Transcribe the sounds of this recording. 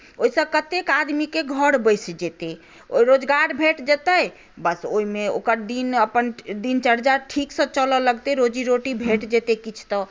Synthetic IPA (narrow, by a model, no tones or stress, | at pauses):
oisə̃kət̪ekad̪mikeɡʱəɽbəjsd͡ʒet̪e | o̰iɾod͡ʒɡaɾbʱeʈd͡ʒet̪əj | bəsoimeo̰kəɾd̪inəpənd̪int͡ʃəɾd͡ʒaʈʰiksə̃t͡ʃəlɔləɡt̪eɾod͡ʒiɾoʈibʱeʈd͡ʒet̪ekit͡ʃʰt̪ɔ